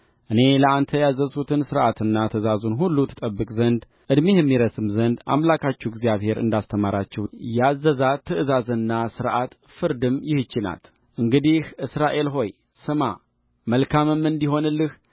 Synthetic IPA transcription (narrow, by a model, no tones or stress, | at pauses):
ʔɨne̞ləant̪ʰəjazəsut̪ʰɨnsɨɾʔat̪ɨnːat̪ʰəzazunɦulːut̪ʰɨ̥t̪ʼəbːɨkʼzənd̪ | ʔɨd̪mejɛmːiɾəsɨmzənd̪ʔa̰mlakʰat͡ʃːɛɡzijaβhe̞ɾɨ̰nd̪ast̪ʰəmaɾat͡ʃːɛjazːəzat̪ʰːɨɨzazənːasɨɾʔa̰t̪ | fɨɾd̪ɨmjɪhɨt͡ʃːɪna̰t̪ | ʔɨŋɡɨd̪ihʔɨsɾaʔe̞lɦo̞j | sɨma | məlkʰamɨmːɨnd̪iɦo̞nɨlːɨh